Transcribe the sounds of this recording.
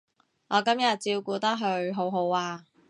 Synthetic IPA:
ŋɔː˨˧kɐ˥mjɐ˨t̚t͡siː˧wkuː˨˧t̪ɐ˥k̚ɦɵ˧ɥɦo˨˧˥wɦo˨˥waː˧

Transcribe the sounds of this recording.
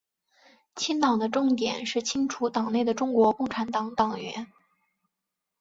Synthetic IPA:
t͡ɕʰi˥nt̪ɑ˨˩ŋd̪ə˦ʈ͡ʂʊ˥˩ŋt̪jɛ̰˨˩nʂɻ̩˥˩t͡ɕʰi˥ŋʈ͡ʂʰu˧˥t̪ɑ˨˩ŋne˥˩ɪd̪ə˩ʈ͡ʂʊ˥ŋkwɔ˧˥kʊ˥˩ŋʈ͡ʂʰa˧˥nt̪ɑ˧˥ŋt̪ɑ˨˩ŋɥɛ̰˧˥n

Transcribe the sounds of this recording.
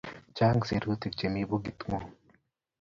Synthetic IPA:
t͡ʃa˦ŋɡse˨ɾɡo˦t̪i˨k̚t͡ʃe˨mi˦bo˦ɡi˨t̪ŋo˨

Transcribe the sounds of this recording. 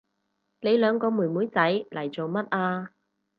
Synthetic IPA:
ne˨˧jlœː˨˧ŋkɔː˧muː˨˩jmuː˨˥jt͡sɐ˨˥jlʔɐ˨˩jt͡so˨wmɐ˥t̚ʔaː˧

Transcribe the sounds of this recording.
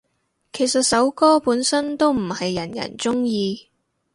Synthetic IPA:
kʰe˨˩jsɐ˨t̚sɐ˨˥wkɔː˥puː˨˥nsɐ˥nt̪o˥wm̩˨˩hɐ˨jːɐ˨˩njɐ̰˨˩nt͡sʊ˥ŋjiː˧

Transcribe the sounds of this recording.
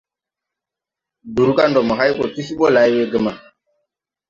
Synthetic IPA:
du˨ɾu˦ka˦ndɔ˨mə˨ɦa˦jko˨ti˦si˦ɓɔ˦la˨jwe˦ɡə˨ma˨

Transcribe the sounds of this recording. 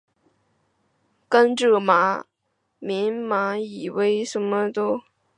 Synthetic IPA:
kə˥nʈ͡ʂɤ˥˩ma˧˥ | mi˧˥nma˧˥i˨˩we˥ɪʂə˧˥mə˧t̪o˥

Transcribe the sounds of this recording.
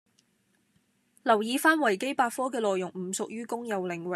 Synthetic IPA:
lɐ˨˩wjiː˨˧faː˥nwɐ˨˩jke˥jpaː˧t̚fɔː˥kɛː˧lɔː˨jʊ˨˩ŋm̩˨˩sʊ˨k̚jyː˥kʊ˥ŋjɐ˨wlɪ˨˩ŋwɪ˨˩

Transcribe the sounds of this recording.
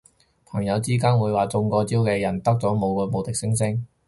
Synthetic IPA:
pʰɐ˨˩ŋjɐ˨˧wt͡siː˥kaː˥nwuː˨˧jwaː˨˩t͡sʊ˧ŋkɔː˧t͡siː˥wkɛː˧jɐ˨˩nt̪ɐ˥k̚t͡sɔː˨˥mo˨˧wkɔː˧mo˨˧wt̪ɪ˨k̚sɪ˥ŋsɪ˥ŋ

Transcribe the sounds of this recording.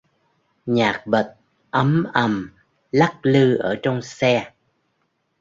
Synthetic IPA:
ɲaː˨˩k̚ɓə˨˩t̚ | ʔə˨˦mʔə˧˩m | la˦˥k̚lɨ˧ʔəː˧˩t͡ɕɔ˧wŋ͡msɛ˧

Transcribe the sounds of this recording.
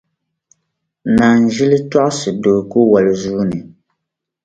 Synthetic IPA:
na˨n˨ʒi˦li˦ta˦ʔsɨ˨do˨ku˦wa˨li˨zuː˦nɨ˨

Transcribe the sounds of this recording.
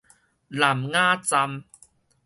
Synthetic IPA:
la˨˩mŋaː˥˩t͡sa˧m

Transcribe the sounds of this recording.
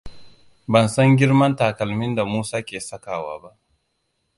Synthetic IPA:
bɐ˨nsɐ˦ŋɡʲɪ˦ɾmɐ˦ntaː˨kɐ˨lmɪ˦nda˨muː˦saː˦kʲeː˨sɐ˦kaː˨wa̰ː˨ba˦ʔ

